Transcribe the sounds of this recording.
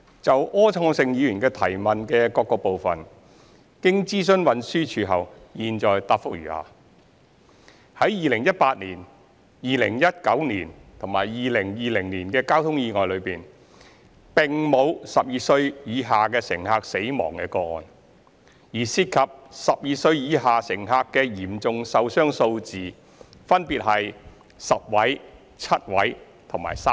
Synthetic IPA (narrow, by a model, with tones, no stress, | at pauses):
t͡sɐ˨wʔɔː˥t͡ʃʰɔː˧ŋsɪ˨ŋjiː˨˧jyː˨˩nkɛː˧t̪ʰɐ˨˩jmɐ˨nkɛː˧kɔː˧kːɔː˧po˨wfɐ˨n | kɪ˥ŋt͡siː˥sɵ˥nwɐ˨˧nsyː˥t͡ʃʰyː˨ɦɐ˨˩wjiː˨nt͡ʃɔː˨jt̪aː˧p̚fʊ˥k̚jy̰ː˨˩ha̰ː˨˧ | hɐ˨˥jjiː˨lɪ˨˩ŋjɐ˥t̚paː˧t̚liː˨˩n | jiː˨lɪ̰˨˩ŋjɐ˥t̚kɐ˨˥wniː˨˩nt̪ʰʊ˨˩ŋmaː˨˩jjiː˨lɪ˨˩ŋjiː˨˩lɪ˨˩ŋniː˨˩nkɛː˧kaː˥wt̪ʰʊ˥ŋjiː˧ŋɔː˨jlɵ˨˧ɥpiː˨˩n | pɪ˨ŋmo˨˧wsɐ˨p̚jiː˨˧sɵ˧ɥjiː˨˧ɦaː˨kɛː˧sɪ˨˩ŋɦaː˧k̚se˨˥jmɔ̰ː˨˩ŋkɛː˧kɔː˧ŋɔ̰ː˨˧n | jiː˨˩siː˧t̚kʰɐ˨p̚sɐ˨p̚jiː˨˧sɵ˧ɥjiː˨˧ɦaː˨sɪ˨˩ŋɦaː˧kːɛː˧jiː˨˩mt͡sʊ˨ŋsɐ˧wsœː˥ŋso˧wt͡siː˨ | fɐ˥npiː˨t̚ɦɐ˨j | sɐ˨p̚wɐ˨˥j | t͡sʰɐ˥t̚wɐ˨˥j | t̪ʰʊ˨˩ŋma̰˨˩jsaː˥